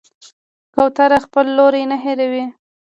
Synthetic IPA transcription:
kawt̪aɾaxpəlːoɾejnaɦeɾawi

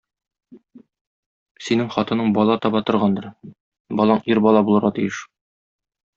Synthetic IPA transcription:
sinɘŋχɒt̪ɤ̆nɤɴbɒlˠɑt̪ɒbɑt̪ŏɾʁɑnd̪ɤɾ | bɒlˠɑɴiɾbɒlˠɑbulˠɤ̆ɾʁɑt̪ijɘʃ

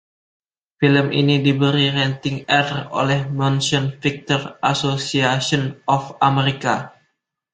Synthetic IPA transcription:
filəmʔinidibəɾiɾɛnt̪ɪŋɛro̰lɛhmɔnsɔnfik̚t̪ɔrʔasosiasɔnɔfameɾika

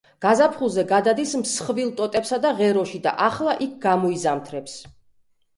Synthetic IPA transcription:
ɡ̥azapʰχulˠzɛɡad̪ad̪ismsχvilˠt̪ʼɔt̪ʼɛpsad̪aʁɛɾɔʃid̪a̰ʔaχlˠaʔik̚ʰɡamɔizamt̪ʰɾɛps

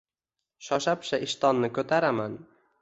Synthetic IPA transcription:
ʃɒʃapʃaʔɪʃt̪ɒnːɪkʰɵt̪ʰaɾaman

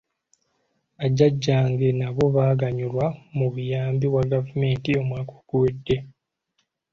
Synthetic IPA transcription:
aɟːaɟːaːŋɡe̞naβo̞βaːɡaɲulwamuβujaːmbiwaɡavume̞ːntio̞mwaːkoɡ̥uwe̞dːe̞

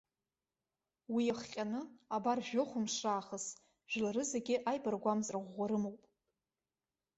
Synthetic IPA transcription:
wijaχqʲʼanɨabarʒᶣoχʷʊmʂraːχəs | ʒ̥ᶣlaɾɨzeɡʲɪʔajbarɡʷamzʼraʁʷːaɾɨmowpʼ

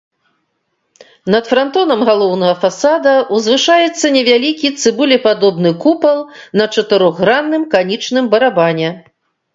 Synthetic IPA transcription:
nɐt̪fɾant̪ɔnɐmɣalˠɔwnɐɣɐfasad̪ɐuzvɨʂajɛt̪sːɐnʲɛvʲalʲikʲit̪sɨbulʲɛpad̪ɔbnɨkupɐlˠnɐt͡ʂɐt̪ɨɾɔɣːɾanːɨmkanʲit͡ʂnɨmbɐɾabanʲɛ

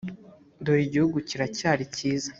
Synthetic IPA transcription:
ndojiɟihuɡuciɾacaːɾiciːza

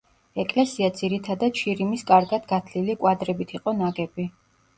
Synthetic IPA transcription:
ɛkʼlɛsiad̪z̥iɾit̪ʰad̪at̪̚t͡ʃʰiɾimiskʼaɾɡad̪ɡat̪ʰlilikʼwad̪ɾɛbit̪ʰiqʼɔnaɡɛbi

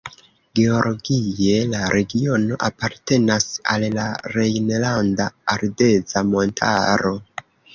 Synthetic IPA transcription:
ɡe̞o̞lʔoɡije̞laɾʔe̞ɡio̞no̞ʔapaɾte̞nasa̰llaɾejnlandaːɾde̞zamo̞ntʰa̰ɾo̞

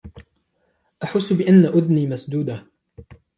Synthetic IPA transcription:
ʔaħʊsːbɪʔanːaʔʊd̪niːmasd̪uːd̪a

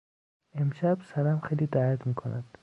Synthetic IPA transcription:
emʃæb̥sæɾæmxejliːd̪æːjæt̪miːkʰonʔæ̰d̪̥

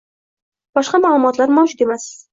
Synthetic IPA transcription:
b̥ɒʃqɑmaːlˠʊmɒt̪laɾmɒwd͡ʒɪɡʲemas

